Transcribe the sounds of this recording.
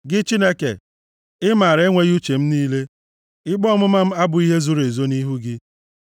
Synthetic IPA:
ɡɪ˦t͡ʃi˦ne˦kḛ˨ | ɪ˦ma˨ɾe˦ŋʷe˦ɣu˦t͡ʃe˨m̩˦niː˦le˦ | ɪ˦ɡ͡bɔ˦mʊ˦ma˦m̩˦a˦bʊ˨i˦ɦe˦zu˦ɾe˨zo˦ni˦ɦu˦ɡɪ˦

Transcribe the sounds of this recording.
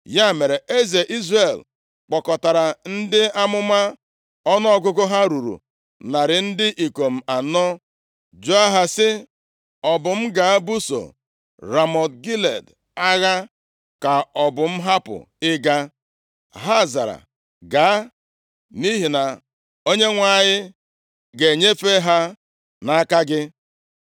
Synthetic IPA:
ja˦˨me˨ɾe˨e˦ze˨ʔi˦zre˨l | k͡pɔ˨kɔ˨ta˨ɾa˨n̩˦dɪ˦a˦mʊ˦ma˦ | ɔ˦nɔ˦ɔ˦ɡʊ˦ɡʊ˦ɦa˦ɾu˨ɾṵ˨ | na˨ɾɪ˨n̩˦dɪ˦ʔi˨ko˨m̩˨a˨nɔ˦ | d͡ʒo˦a˦ɦa˦sɪ˦ | ɔ˨bʊ˨m̩˦ɡa˨˦bu˦so̰˨ | ɾa˨mɔ˨tɡi˦lḛ˨d | a˦ɣa˦ | ka˨ɔ˨bʊ˨m̩˦ɦa˦pʊ̰˨ | ɪ˦ɡa˦ | ɦa˦za˨ɾa̰˨ | ɡa˨a˦ | ni˦ɦi˨na˨ | o˦ɲe˦ŋʷa˨˦˨ɲɪ˦ | ɡe˨ɲe˦fe˦ɦa˦ | na˦ka˦ɡɪ˦

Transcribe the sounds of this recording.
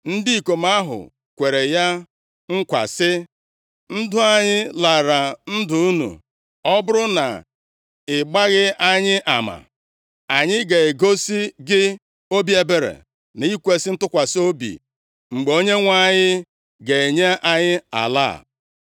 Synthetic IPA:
n̩˦di˦i˨ko˨ma˦ɦʊ̰˨ | kʷe˨ɾe˨ja˦ | ŋ̩˦kʷa̰˨sɪ˦ | n̩˦dʊ˦a˨ɲɪ˦la˨ɾa˨n̩˦dʊ˨u˦nṵ˨ | ɔ˦bʊ˦ɾʊ˦na̰˨ | ɪ˨ɡ͡ba˦ɣɪ˦ʔa˦ɲɪ˦ʔa˨ma̰˨ | a˨ɲɪ˦ɡe˨e˨ɡo˦si˦ɡɪ˦ | o˦bi˦e˨be˨ɾḛ˨ | n˨i˦kʷe˦sɪ˦n̩˦tʊ˦kʷa˨so˦bḭ˨ | ŋ͡m̩˨ɡ͡be˨o˦ɲe˦ŋʷa˦˨ɲɪ˦ | ɡe˨e˨ɲe˦ʔa˦ɲɪ˦a̰˨la̰˦˨

